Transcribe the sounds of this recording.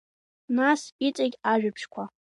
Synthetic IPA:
nasit͡sʼaɡʲaʒᶣʏpʰʂkʷʰa

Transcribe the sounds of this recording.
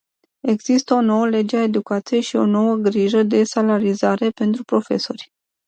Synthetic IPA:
e̞ɡzist̪əo̞no̞wəle̞d͡ʒeae̞d̪ukat̪sije̞ʃio̞̰no̞wəɡɾiʒəd̪e̞salaɾizaɾe̞pe̞nt̪ɾupɾo̞fe̞̰so̞rʲ

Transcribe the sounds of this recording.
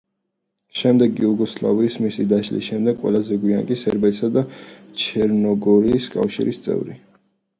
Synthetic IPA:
ʃɛmd̪ɛɡiuɡɔslˠa̰viːsmisid̪aʃlḭsʃɛmd̪ɛɡʼwɛ̰lˠazɛɡwiaŋkʼisɛɾbɛt̪sad̪at͡ʃʰɛɾnɔɡɔɾiːskʼa̰fʃḭɾist̪sʼɛ̰vɾi

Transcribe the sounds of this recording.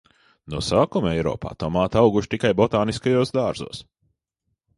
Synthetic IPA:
nɔsaːkumɛjɾɔ̰ːpa̰ːt̪ɔmaːt̪awɡuʃt̪ikajbɔt̪aːniskajoːsd̪aːɾzṵːs

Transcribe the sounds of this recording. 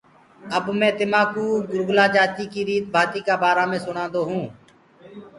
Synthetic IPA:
əbmɛ̃ːt̪ɪmaːkuːɡʊɾɡlaːd͡ʒaːt̪iːkiːɾiːt̪̚bʱaːt̪iːkaːbaːɾaːmẽːsʊɽ̃ãːnd̪oːɦũː

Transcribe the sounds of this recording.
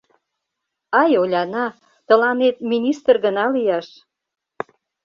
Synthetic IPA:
ɑjolʲɑnɑ | t̪ə̆lɑnet̪̚minʲist̪ərɣənɑlijɑʃ

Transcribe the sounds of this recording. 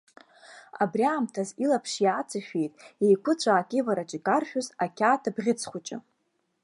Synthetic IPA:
a̰brʲjaːmtʰazilapʰʂiat͡sʰʼaʃᶣejtʼejkʷʰʊt͡ɕʷʰʼaːkʲʼɪvaɾat͡ʃʼikʼarʃᶣʊzakʲʰaːtʰabʁʲɪt͡sʰχʷʊt͡ʃʼɪ̰

